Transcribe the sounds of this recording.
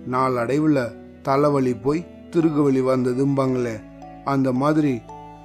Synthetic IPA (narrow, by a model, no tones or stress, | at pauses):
naːɭɐɽɐɪʋɯɭɐ | t̪ɐlɐʋɐɭipːoːj | t̪ɪɾɯɣɯʋɐɭiʋɐnd̪ɐðɯmbaːŋɡɐɭeː | ɐnd̪ɐmaːðɪɾi